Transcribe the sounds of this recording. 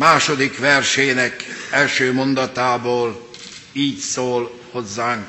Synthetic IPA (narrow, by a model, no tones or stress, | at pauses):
maːʃo̞d̪ikʋɛrʃeːnɛkɛlʃøːmo̞nd̪ɒt̪aːboːl | iːcsoːlho̞zːaːŋk